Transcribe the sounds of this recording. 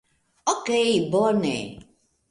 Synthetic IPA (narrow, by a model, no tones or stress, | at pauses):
okeibɔnɛ̰